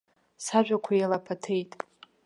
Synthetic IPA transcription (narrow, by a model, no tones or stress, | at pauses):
saʒᶣʷakʷʰajalapʰatʰe̞jtʼ